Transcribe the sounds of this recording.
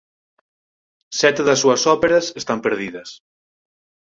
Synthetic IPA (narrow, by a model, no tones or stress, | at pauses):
sɛt̪eðɐsːuɐsɔpeɾɐsest̪ampeɾðiðɐs